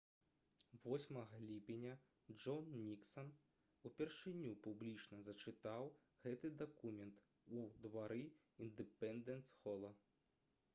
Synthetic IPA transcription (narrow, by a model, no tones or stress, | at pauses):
vɔsʲmɐɣɐlʲipʲenʲɐ | d͡ʐɔnːʲiksɐn | upʲɛrʂɨnʲupublʲit͡ʂnɐzɐt͡ʂɨt̪aw | ɣɛt̪ɨd̪akumʲɛnt̪ | ud̪vaɾɨ | ind̪ɨpɛnd̪ɛnt̪sxɔlˠɐ